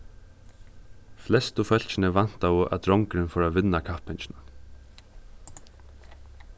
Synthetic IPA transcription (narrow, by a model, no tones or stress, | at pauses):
flɛst̪ʊfœl̥t͡ʃɪnəʋan̥t̪aʊʔa̰t̪ɾɔŋkɾɪnfɔːɾaʋɪnːakʰahpɪnt͡ʃɪna